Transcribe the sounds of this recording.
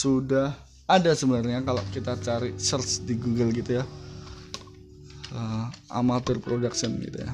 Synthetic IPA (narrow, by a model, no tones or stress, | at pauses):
sudah | adasəbənarɲakalo̰ʔkit̪at͡ʃaɾisərsdiɡuɡəlɡit̪uja | əa̰malpərpɾodaksənɡḭt̪ṵja̰